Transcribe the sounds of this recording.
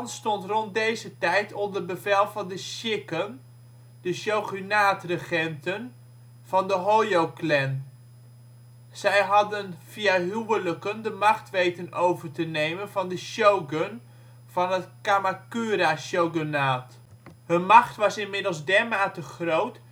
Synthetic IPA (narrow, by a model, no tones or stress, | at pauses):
nstɔntrɔnt̚dejzətɛjtʰɔndərbəvɛlˠvɑndəʃɪkən | d̥əʃowχynaːtrəχɛntən | v̥ɑndəɦojowklɛn | z̥ɛjɦɑdənv̥ijaɦywələkəndəmɑχtʋejtənowvəɹtənejmənvɑndəʃowɡən | v̥ɑnɦətkamakyːɾaʃowɡənaːt | ɦənmɑχtʋɑsɪnmɪdəlˠzdɛɹmaːtəχrowt